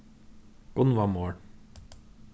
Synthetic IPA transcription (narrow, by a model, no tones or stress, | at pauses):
ɡ̥ʊnʋɑːmoːɽ